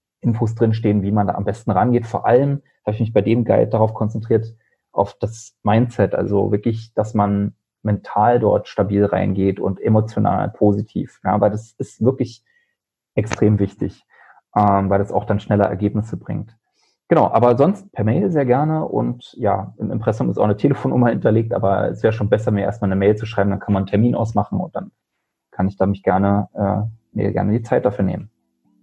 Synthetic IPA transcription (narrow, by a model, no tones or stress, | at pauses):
ʔɪnfoːs̬d̥ʁɪnʃ̬teːənviːmanda̰ːʔambɛstn̩ʁanɡeːtfoːɐʔaləmhaːbəɪçmɪçb̥aɪdeːmɡa̰ɪt̚d̥aʁaʊfkʰɔnt͡sɛntʁ̥iːɐt | ʔaʊfd̥asmaɪnt͡sɛtʔa̰lzo̰vɪɐklɪçd̥asman | mɛntʰaːldɔ̰ɐtʃtabiːlʁa̰ɪnɡeːtʊ̰ntʔemot͡sjona̰ːlpʰoːzitʰḭːfja̰ːvaɪldasɪstv̥ɪɐklɪç | ʔɛkstʁ̥eːmvɪçtɪ̰ç | ʔɛːmvaɪldasa̰ʊxd̥anʃnɛlɐʔɛ̰ɐɡeːpnɪsəbʁɪ̰ŋt | ɡ̥ənaʊʔaːbɐzɔnst̚pʰɛːɐmɛɪlzeːɐɡɛɐnəʔʊ̰ntja̰ːʔɪmɪ̰mpʁ̥ɛsʊmɪstʔaʊnətʰeːləfoːnːʊmɐhɪntɐleːk̚tʔa̰ːbɐɛ̰sv̥ɛːʁəʃoːnbɛsɐmiːɐʔḛːɐstmaːlnəmɛɪlt͡suʃʁ̥aɪmndankʰanmann̩tʰɛɐmiːnʔa̰ʊsmaχn̩ʊ̰nt̚d̥an | kʰanɪçd̥aːmɪçɡ̥ɛɐnəʔɛːmḛːɐɡɛ̰ɐnədiːt͡saɪt̚d̥afyːɐneːmən